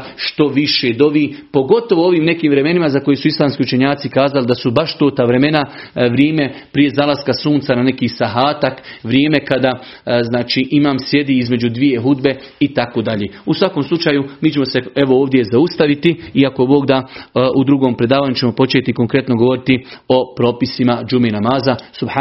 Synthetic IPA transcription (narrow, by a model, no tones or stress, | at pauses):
ʃt̪o̞ʋiʃed̪o̞ʋiːpo̞ɡo̞t̪o̞ʋoo̞ʋiːmne̞kiːmʋɾe̞me̞nimazako̞jesuislˠaːmskiut͡ʃeɲaːt̪sikaːzalid̪asubaʃt̪oːt̪aʋɾe̞me̞naʋɾjeːme̞pɾije̞zalˠaskasuːnt̪sanane̞kiːsaɦaːt̪akʋɾjeːme̞kad̪aːznaːt͡ʃiʔimaːmsje̞d̪iːizme̞d͡ʒud̪ʋije̞ɦud̪be̞it̪ako̞d̪aʎeːusʋako̞mslˠut͡ʃaːjumiːt͡ʃe̞mo̞se̞e̞ʋooːʋd̪je̞zaust̪aʋit̪iiakobo̞ːɡd̪aud̪ɾuɡo̞ːmpɾe̞d̪aːʋaːɲut͡ɕe̞mo̞po̞t͡ʃeːt̪iko̞ŋkɾe̞t̪no̞ɡo̞ʋo̞ɾit̪io̞pɾo̞ːpisimad͡ʒumenamaːzasub